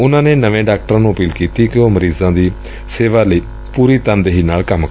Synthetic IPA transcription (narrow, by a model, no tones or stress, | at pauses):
ʊnãːneːnəʋẽːɖaːk̚ʈəɾãːnũːəpiːlkiːt̪iːkɪoːməɾiːzãːd̪iː | seːʋaːləiː | puːɾiːt̪ənd̪eːɦiːnaːlkəmk